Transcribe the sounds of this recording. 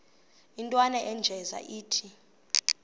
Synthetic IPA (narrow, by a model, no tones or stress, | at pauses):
intʼwanɛʔɛnd͡ʒʱɛza̰ʔiːtʰi